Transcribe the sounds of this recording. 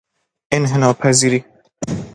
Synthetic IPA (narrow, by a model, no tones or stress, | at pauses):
ʔenɦenɒːpʰæziːɾi